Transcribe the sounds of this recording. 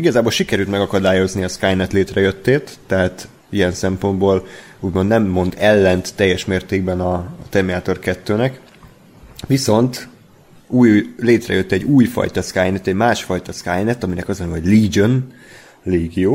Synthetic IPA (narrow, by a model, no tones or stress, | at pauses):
iɡɒzaːbolʃikɛɾylt̪mɛɡɒkɒd̪aːjo̞zniɒskaːjnɛt̪leːt̪rɛjøt̪ːeːt̪ːɛɦaːt̪ | iɛnsɛmpo̞nd̪boːl | uːɟmo̞nd̪nɛmːo̞nd̪ɛlːɛnt̪ːɛjːɛʃmeːrt̪eːɡ̚bɛnɒt̪ɛmiaːt̪o̞rkɛt̪ːøːnɛk | ʋiso̞nt̪ | uːjleːt̪rɛ̰jøt̪ːɛɟːuːjfɒ̰jt̪ɒskaːjnɛt̪ɛɟmaːʃfɒjt̪ɒskaːjnɛt̪ɒminɛkɒzlɛnoɟliːd͡ʒon | leːɡjoː